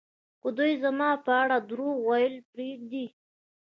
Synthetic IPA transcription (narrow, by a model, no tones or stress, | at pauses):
xod̪ujzamɑpəaɽad̪ɾowajəlpɾeɡ̚d̪i